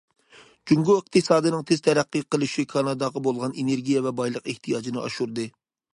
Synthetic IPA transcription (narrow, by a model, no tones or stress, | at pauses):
d͡ʒuŋɡuəq̚t̪ʰɨsɑːd̪ɨnɨŋt̪ʰez̥t̪ʰɛɾæqːiqəlˠɨʃikʰɑnɑd̪ɑʁɑbolˠʁɑneneɾɡʲijɛvɛbɑjlˠəqeht̪ʰijɑːd͡ʒinɨʔɑ̰ʃuɾd̪ɨ